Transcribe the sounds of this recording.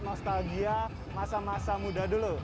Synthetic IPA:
nɔst̪alɡia | masamasamudadolo

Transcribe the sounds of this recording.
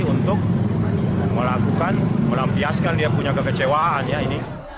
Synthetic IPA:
unt̪ʊk̚ | məlakukanməlampiaskandiapuɲakəkət͡ʃewaːnjaini

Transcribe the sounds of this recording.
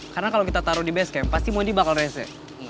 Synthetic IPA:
karnakalowkit̪at̪aɾʊdibɛskɛmpast̪imodibakalrɛsɛ̰

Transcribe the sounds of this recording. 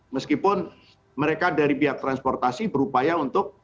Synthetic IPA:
məskipʊn | məɾekadaɾipiɦak̚t̪ɾanspɔrt̪asibəɾupajaunt̪ʊk̚

